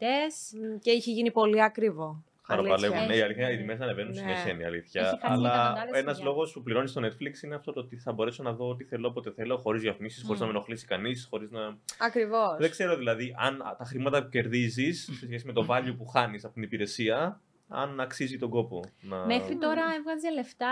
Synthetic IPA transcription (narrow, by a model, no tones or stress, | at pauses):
t̪esceiçeʝinipo̞liɐkɾivo̞ | xɐɾopɐlevunneiɐliθçɐiðimesɐnevenunsiɐseniɐ̰liθçɐɐlɐenɐzlo̞ɣo̞spupliɾo̞nist̪one̞t̪fliksineɐft̪o̞t̪oot̪iθɐbo̞ɾe̞so̞nɐðo̞ot̪iθe̞lopot̪e̞θe̞lo̞xo̞ɾizʝɐfnisi̥sxo̞ɾiznɐmeno̞xlisi̥kɐnisxo̞ɾiznɐɐkɾivosðeɡse̞ɾoðilɐðiʔɐnt̪ɐxɾimɐt̪ɐpuce̞ɾðizisse̞sçe̞sime̞t̪o̞vɐʎopuxɐnisɐpo̞t̪inipiɾe̞siɐ | ɐ̰nɐksizit̪o̞ɡo̞po̞nɐmexɾit̪o̞ɾɐevɣɐzileft̪ɐ